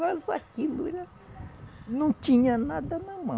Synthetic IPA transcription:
azakiluiɾa | nũt͡ʃ̪ĩɲãnad̪anamã

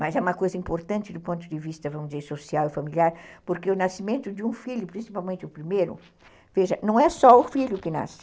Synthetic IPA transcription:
mɐzɛũmɐkojzɐĩmpoɾt̪ɐ̃nt͡ʃ̪ɪd̪ʊpõnt̪ʊd̪ɪvist̪ɐvɐ̃mʊd̪izeɾsosiawɪfamiliaɾpoɾkeʊnasimẽnt̪ʊd͡ʒ̪ɪũfiʎʊpɾĩsipawmẽnt͡ʃ̪ɪʊpɾimejɾʊ̰ | veʒɐnɐ̃w̃ɛsɔʊfiʎʊkɪna̰sɪ̥

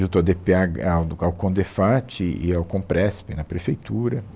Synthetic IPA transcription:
ʒũt̪ad̪epeaɡaawkõd̪efat͡ʃɪɪ̰awkõpɾɛspɪnɐpɾefejt̪uɾɐ

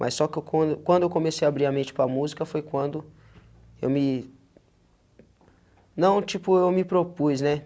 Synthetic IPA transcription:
mʔɐ̰ssːɔkɪewkɐ̃d̪ʊkwɐ̃nd̪ʊewkomesejɐabɾiɾɐmẽt͡ʃɪ̥pɾɐmuzikɐfojkwɐ̃nd̪ʊ | ḛwmɪ | nɐ̃w̃t͡ʃipʊewmɪpɾopuznɛ

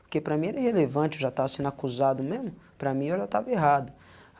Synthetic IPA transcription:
poɾkepɾɐmĩɛɾɛhelevɐ̃t͡ʃɪewʒat̪avɐsẽnd̪akuzad̪ʊmẽzmʊ | pɾɐmĩewʒat̪avɐeɦad̪ʊ

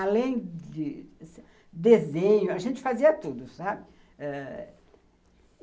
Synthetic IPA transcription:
alẽj̃d͡ʒɪs | d̪ezẽɲʊɐʒẽnt͡ʃɪ̥faziɐt̪ud̪ʊsabɪ | ɛ

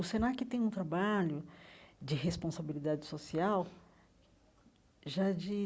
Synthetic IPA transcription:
ʊsẽnakɪt̪ẽj̃ũt̪ɾabaʎʊd͡ʒɪɦespõsabilid̪ad͡ʒɪsosiaw | ʒad͡ʒi

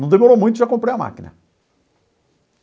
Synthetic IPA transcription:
ɐ̃w̃d̪emoɾowmũj̃t̪ʊuʒakõpɾejɐma̰kinɐ̰

